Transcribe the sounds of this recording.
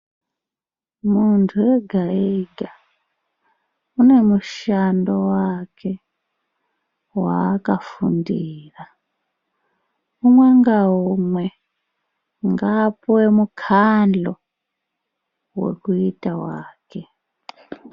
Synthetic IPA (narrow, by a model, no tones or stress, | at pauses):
muntʰuwe̞ɡʱaiɡʱa | une̞muʃando̞wakʰe̞ | wa̰ːkafṵndiːra | umweŋɡaɦumwe | ŋɡapuwemukʰand͡ɮo | we̞̰kuitawaːke